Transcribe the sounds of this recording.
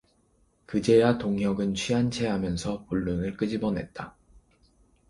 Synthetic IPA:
kɯd͡ʑe̞jatoŋɦjʌɡɯnt͡ɕʰɥiant͡ɕʰe̞ɦamjʌnsʰʌpuɭːunɯɭk͈ɯd͡ʑibʌnɦe̞̰t̚t͈a

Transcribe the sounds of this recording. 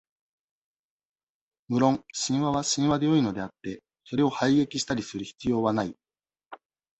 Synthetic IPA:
mɯ̟ɾõ̞ŋɕĩɰ̃βaβaɕĩɰ̃βad̪e̞jo̞ino̞d̪e̞at̪ːe̞ | so̞ɾe̞o̞haiɡe̞kʲiɕi̥t̪aɾʲisɨɾɯ̟çi̥t͡sɨjo̞ːβanai

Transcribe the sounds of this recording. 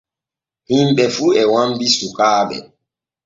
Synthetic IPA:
himɓɛfuɛwambisukaːɓɛ̰

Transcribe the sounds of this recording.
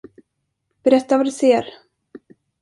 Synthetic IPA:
b̥ɛɾɛt̪ːavad̪ɵseːɾ

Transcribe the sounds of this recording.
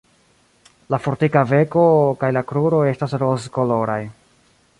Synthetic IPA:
lafo̞ɾtikave̞ko̞kajlakɾuɾo̞e̞stasɾozko̞lo̞ɾaj

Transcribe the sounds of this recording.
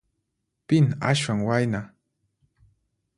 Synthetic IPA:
pɪna̰ʃwaŋwajna

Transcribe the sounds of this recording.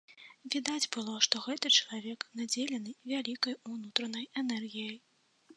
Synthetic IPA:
vʲid̪ad͡zʲbɨlˠɔʂt̪ɔɣɛt̪ɨt͡ʂɐlˠavʲɛknad͡zʲelʲɛnɨvʲalʲikɐjunut̪ɾɐnɐjɛnɛrɣʲijɐj

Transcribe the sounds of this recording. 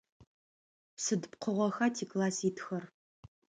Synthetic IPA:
psɨdɨp̚qʰəʁʷɔxatʰiːkʼlaːsiːtxɐr

